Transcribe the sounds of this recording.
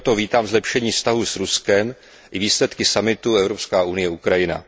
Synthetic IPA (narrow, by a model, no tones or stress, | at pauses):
t̪oviːt̪aːmzlɛpʃɛɲiːfst̪aɦusɾuskɛm | ʔɪviːslɛt̪kɪsamɪt̪uɛvɾopskaːʔunɪjɛukɾajɪna̰